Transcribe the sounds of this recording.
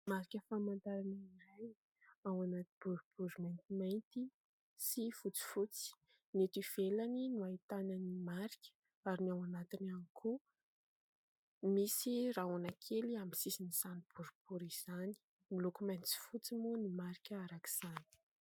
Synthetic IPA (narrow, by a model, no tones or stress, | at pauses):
maɾikʲəfamant̪aɾananaj | awanat̪ib̥uɾb̥uɾimajnt̪imajnt̪i | sifut͡si̥fut͡si̥ | net̪iv̥elaninuait̪ananimaɾikʲə̥ | aɾinawanat̪inanikʰu | misiɾaonakʰeliamisisinisanib̥uɾub̥uɾiz̥ani̥ | milokumajnt͡si̥fut͡simunimaɾikʲəaɾaki̥z̥ani̥